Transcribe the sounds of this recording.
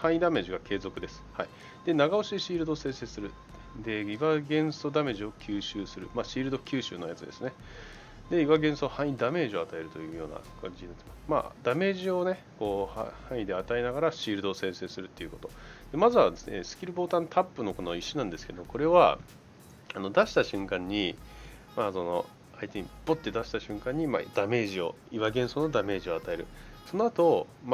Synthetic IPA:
hãɰ̃ĩd̪ame̞ːʑiɡakʰe̞ːzo̞kɯ̟d̪e̞sɨ̥hai | d̪̥e̞naɡaoɕid̪eɕiːɾɯd̪o̞sẽ̞ɰse̞ːsɨɾɯ̟ | d̪e̞iβaɡẽ̞ɰ̃sod̪ame̞ʑio̞kʲʰɨːɕɨːsɨɾɯ̟̰maːɕiːɾɯd̪o̞kʲɨːɕɨ̰ːno̞jat͡sɨd̪e̞̰sɨne̞ | d̪e̞iβaɡẽ̞ɰ̃sohãɰ̃ĩd̪ame̞ːʑi̞at̪ae̞ɾɯ̟t̪o̞jɯ̟ːjo̞ːna̰kʰãɲ̟d͡ʑinat̪e̥masma̰ːd̪ame̞ːʑio̞ne̞ | ko̞ːhhãɰ̃id̪e̞at̪aenaɡaɾaɕiːɾɯ̟d̪o̞ːsẽ̞ɰ̃se̞ːsɨɾɯ̟t̪ːe̞iɯ̟ko̞t̪o̞d̪̥e̞mazɨβad̪e̞sne̞̰sɨ̥kʲiɾɯ̟bo̞ːt̪ãnt̪ʰapːɯno̞ko̞no̞iɕinãnd̪e̞sɨ̥ke̞d̪o̞ko̞ɾe̞βa | ano̞d̪aɕi̥t̪aɕɨ̃ŋkãɲ̟ːi | maso̞no̞̰ | ait̪e̞ɲ̟ib̥ot̪ːe̞d̪aɕi̥t̪aɕɨ̟̃ŋkãɲ̟ːima̰d̪̥ame̞ːʑio̞̰ | iβaɡẽ̞ɰ̃so̞ːno̞d̪ame̞ːʑio̞at̪ae̞ɾɯ̟so̞noat̪o̞ | m

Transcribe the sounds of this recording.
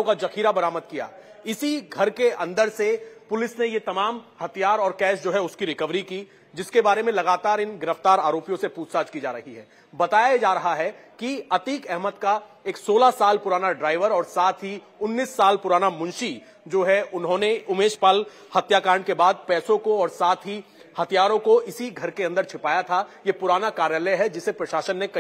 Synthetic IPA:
õkad͡ʒɐkiːɾabɐɾaːməd̪̚kija̰ː | ɪsiɡʱɐɾkeɐ̃nd̪əɾsepʊlɪsnejet̪ɐmaːmhɐt̪ʰijaːɾɔːɾkɛːʃd͡ʒoːɦɛʊskiɾɪkəʋɾiki | d͡ʒɪskebaːɾemẽlɐɡaːt̪aːɾɪnɡɪɾəft̪aːɾaːɾoːpijõsepuːsaːd͡ʒkid͡ʒa̰ːɾɐɦiɦɛ̰ː | bɐt̪aːjad͡ʒaːɾɐɦaɦɛkiɐt̪iːkɛɦmət̪ka | eːksoːlasaːlpʊɾaːnaɖɾaːɪʋəɾɔːɾsaːt̪ʰɦi | ʊnːiːsːaːlpʊɾaːnamʊ̃nʃi | d͡ʒoːɦɛʔʊnɦõneʊmeːʃpaːl | hɐt̪jakaːɾəɳkebaːd̪̚pɛːsõkoɔːɾsaːt̪ʰɦi | hɐt̪ʰijaːɾõkoʔɪsiɡʱɐɾkeɐ̃nd̪əɾt͡ʃʰɪpaːjat̪ʰajepʊɾaːnakaːɾjaləɦɛd͡ʒɪsepɾɐʃaːʃənːekɐ

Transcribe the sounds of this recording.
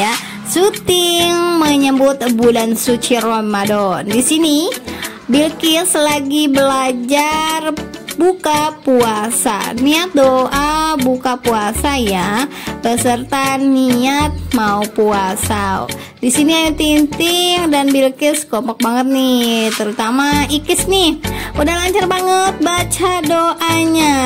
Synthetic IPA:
ja | sut̪ɪŋməɲəmbʊt̪budansut͡ʃirɔmadɔndisini | bilkɪslaɡibəlad͡ʒarbukapuasa̰niat̪̚doʔabukapuasajabəsərt̪aniat̪̚maupuasa̰ | disiniajat̪int̪ɪŋdanbilkɪskɔmpɔk̚baŋət̪̚nit̪əɾut̪amaikɪsnihudahlaɲt͡ʃarbaŋət̪̚bat͡ʃadoʔaɲa

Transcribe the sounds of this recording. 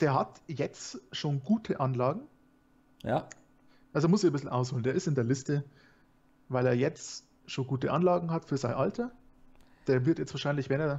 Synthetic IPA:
d̥eːɐɦatjɛt͡sʃoːnɡuːtʰəʔanlaːɡŋ̩ | ʔalzoeɐmʊsɪçbɪsl̩ʔa̰ʊshoːlndeːɐɪstɪndeːɐlɪstə | vaɪleːɐjɛt͡st | ʃoːnɡuːtəʔanlaːɡŋ̩atfyːɐzaɪnʔaltʰɐ | d̥eːɐvɪɐtjɛt͡stv̥aɐʃaɪnlɪçvɛneːɐ

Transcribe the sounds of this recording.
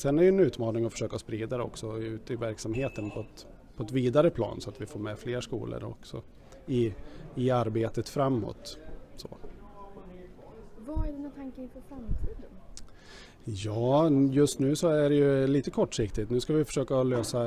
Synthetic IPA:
sɛnæɾjʏɛnʉ̟ːt̪mɑːnɪŋɔfœ̥ʂøːkaspɾiːd̪aɾɛɔ̰ksɔʉ̟ːt̪ɪvæɾksamheːt̪ənpʰɔɛt̪ | pʰɔɛt̪viːd̪aɾəpʰlɑ̰ːnsɔat̪vɪfoːɾmɛfleːɾʂkṵːlʔə̰ɾɔ̰ksɔ̰ | ɪɪaɾbeːt̪ət̪fɾamːɔ̰t̪so̰ | vaæɖɛnat̪ʰaŋkənfœɾfɾamt̪ʰiːd̪ən | jɑːjɵst̪nʉ̟ːsɔæɖɛjɵliːt̪əkʰɔʈːʂɪkt̪ɪt̪nʉ̟skavɪfœ̥ʂøːkaløːsa

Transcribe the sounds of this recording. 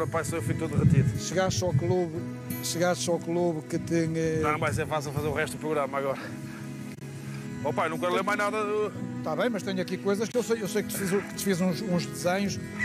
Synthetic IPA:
ɾɐpajsoewfujt̪oðʁɨt̪iðʃɨɣaʃt̪ʃawklˠuβ | ʃɨɣaʃt̪ʃawklˠuβkɨt̪ẽɲɛ̃nɐ̃w̃vajs̬eɾfasilˠfɐzeɾuʁɛʃt̪uðupɾuɣɾamɐːɣɔɾɐ | opaenũkɐlˠeɾmajnaðɐut̪aβẽj̃mɐʃt̪eɲɐkikojzɐʃkewsejewsejk̚t̪fizkɨt̪fizũʃũʒðɨzẽɲuʃ

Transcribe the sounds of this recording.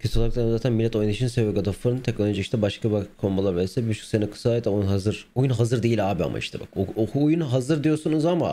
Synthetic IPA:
cʰøiolˠakt̪ˠaɾnzaːt̪ʰænmilʲːɛt̪ʰo̞jniʃinsevvɛɡad̪afɯɾɯnt̪ʰec̚nolʲˠod͡ʒiʃt̪ʰɛbaʃkʰabakʰombalˠaɾbelsɛbibyt͡ʃʰy̥kʲsenɛkʰɯ̥saet̪aujunɦazɯɾ̥ujunɦazɯɾd̪eilʲaːbia̰mʔa̰ḭʃt̪ʰɛba̰kookʰuːjunɦazɯɾd̪ijo̞ɾsunuzama̰

